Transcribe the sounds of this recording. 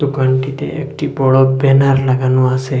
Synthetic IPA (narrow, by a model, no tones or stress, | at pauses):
d̪ukaɳʈ̪it̪ḛ̃ʔḛkʈibɔɭɔbɛnaɾlaɡanũase